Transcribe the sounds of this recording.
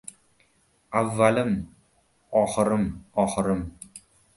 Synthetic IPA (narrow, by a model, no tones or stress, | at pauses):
avːalɪm | ɒːχɨɾɪmɒːχɨɾɪm